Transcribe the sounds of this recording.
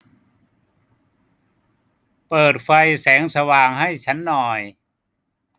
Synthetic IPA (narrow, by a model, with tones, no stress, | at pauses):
pɤː˨˩t̪̚fa˧jsɛː˩˦ŋsa˧waː˨˩ŋha˥˩jt͡ɕʰa˦˥nːɔː˨˩j